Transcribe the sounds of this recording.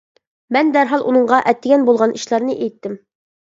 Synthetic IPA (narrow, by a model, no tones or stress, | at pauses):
mɛnd̪æɾɦɑlˠʔṵnɤ̆ɴʁɑʔɛt̪ːɪɡʲɛnbulˠʁɑnʔĭʃlˠɑɾnɤʔɛjt̪ːɘm